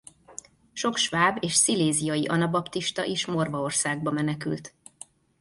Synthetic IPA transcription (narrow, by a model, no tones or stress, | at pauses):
ʃo̞kʃvaːbeːʃsileːzijɒjiʔɒnɒbɒpt̪iʃt̪ɒ̰ʔiʃmo̞rvɒo̞rsaːɡ̚bɒmɛnɛky̰lt̪